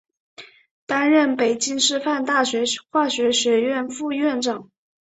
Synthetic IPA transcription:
t̪a˥nɻə˥˩npe˨˩ɪt͡ɕi˥ŋʂɻ̩˥˧fa˥˧nt̪a˥˩ɕɥɛ˧˥xwa˥˩ɕɥɛ˧˥ɕɥɛ˧˥ɥɛ˥˧nfu˥˧ɥɛ˥˩nʈ͡ʂɑ˨˩˦ŋ

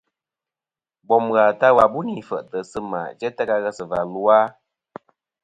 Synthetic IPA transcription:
bɔ˨mɣa˨ta˦wa˨bu˦ni˨fə̰˨ʔtə˨sɨ˦ma̰˨d͡ʒɛ˦tə˦ka˧ɣə˦sə˨va̰˨lu˦a˦

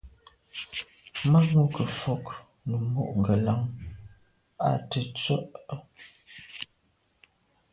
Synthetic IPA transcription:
ma˦ŋu˦kə˨fɔ˦k | nə˨mo̰˨ʔŋ̩˨ɡə˨la˦ŋ | a̰˨tə˨t͡sə˦ʔ

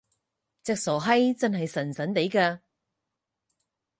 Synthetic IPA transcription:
t͡sɛ˧k̚sɔː˨˩ɦɐ˥jt͡sɐ˥nhɐ˨jsɐ˨˩nsɐ˨˥nt̪e˨˥jkaː˧

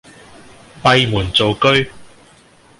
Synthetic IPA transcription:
mɐ˨˧jmuː˨˩nt͡so˨wkɵ˥ɥ

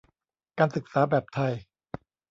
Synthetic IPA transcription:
kaː˧nsɯ˨˩k̚saː˩˦bɛː˨˩p̚t̪ʰa˨˩j

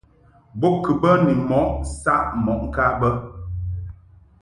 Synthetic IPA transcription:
bo˦kɨ˨bə˦ni˨mɔ˨˦ʔsa˦ʔmɔ˨ʔŋ̩˨ka˦bə˦

